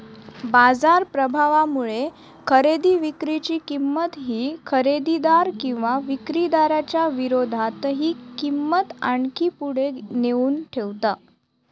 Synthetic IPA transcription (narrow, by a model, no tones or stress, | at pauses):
bad͡zaɾpɾəbʱaʋamuɭe | kʰəɾed̪iːʋikɾit͡ɕiːkimːət̪ɦiːkʰəɾed̪id̪aɾkĩw̃ʋaʋikɾid̪aɾat͡ɕjaʋiɾod̪ʱat̪ɦiːkimːət̪aɳkiːpuɽ̤eneuːnʈʰeʋt̪a